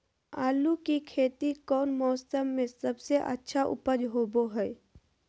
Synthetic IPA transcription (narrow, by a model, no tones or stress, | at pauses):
aːlukikʰeːt̪ikɔːnmɔːsəmːẽsɐbseʔɐ̰tːʃʰaʔʊ̰pəd͡ʒɦoːboɦɛː